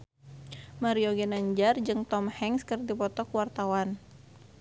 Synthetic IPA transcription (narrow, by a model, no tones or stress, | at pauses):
maɾioɡɛnaɲd͡ʒard͡ʒɨŋt̪ɔmhɛŋskərdipɔt̪ɔkuwart̪awan